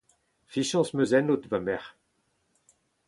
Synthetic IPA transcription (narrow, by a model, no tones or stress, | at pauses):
fiʃɑ̃smøzɛnot̪vamɛʁ